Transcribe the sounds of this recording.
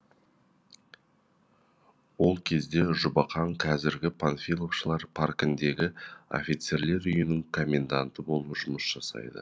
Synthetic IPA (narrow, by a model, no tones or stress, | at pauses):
wo̞lˠkʲʰe̞zd̪e̞ʒʊbɑqɑŋqʰɑzɪɾɡʲɪpʰanfʲijlˠokʃəlˠɑɾpʰarkɪnd̪e̞ɡʲɪo̞̰fʲijt̪se̞ɾle̞ɾʏjɪnɪŋkʰo̞mʲːe̞nd̪ant̪əbo̞lˠəʒʊməsʒ̥ɑsɑ̰jd̪ə̰